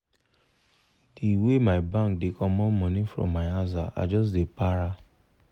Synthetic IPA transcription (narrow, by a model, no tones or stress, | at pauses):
diwemaɪbãk̚dekɔ̃mɔ̃mɔ̃nĩfɹɔ̰̃mːaɪazaa̰d͡ʒɔs̬depaɾa